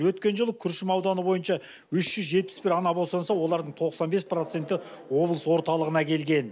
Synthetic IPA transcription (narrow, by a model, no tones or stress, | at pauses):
wɵt̪kʲe̞nʒəlˠəkʲʰʏɾʃɪmɑwd̪ɑnəbo̞jənʃɑ | wʏʃʒ̥ʏzʒe̞t̪̚pɪ̥sbɪɾɑnɑbolsɑnsɑwo̞lˠɑɾd̪əɴt̪ʰo̞qsɑnbe̞spro̞t̪se̞nt̪ɪ | wo̞blˠəswo̞ɾt̪ɑlˠəʁənɑkʲʰe̞lɡʲe̞n